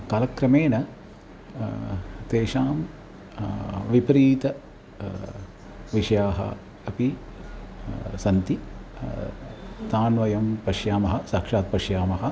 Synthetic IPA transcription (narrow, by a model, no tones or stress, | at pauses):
kaːlɐkɾɐmeːnɐ | t̪eːʃaːm | ʋipɾiːt̪ɐ | ʋiʂɐjaːɦɐ̰ | ɐpi | sɐnt̪i | t̪aːnʋɐjɐmpɐʃjaːmɐɦɐ̆saːkʂaːt̪̚pɐʃjaːmɐɦɐ̆